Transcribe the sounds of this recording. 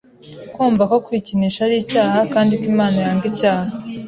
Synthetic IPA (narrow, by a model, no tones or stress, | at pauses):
kwuːɱvako̞kwiːciniʃaɾiːcaːhakaːndikiːmaːnojaːŋɡicaːha